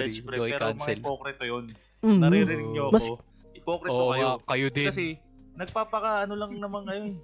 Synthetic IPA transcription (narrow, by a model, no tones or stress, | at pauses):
ɾoʔɪkawnsɪlpokɾɛt̪ojon | m̩ɐɾɛɾɪnɪŋɲoɐkmɐs | ɪpoːkɾɛoːʔŋakɐjod̪ɪɐsɛ | nɐɡ̚paːpɐkaʔɐnolɐŋnɐmɐŋŋɐjon